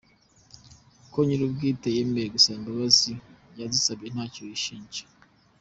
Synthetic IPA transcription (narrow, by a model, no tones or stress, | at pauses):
koɲiɾubɡiːtejemeɾɡusaːŋbaβaziɟazisabɟen̥haːciiʃiːɲd͡ʒe̥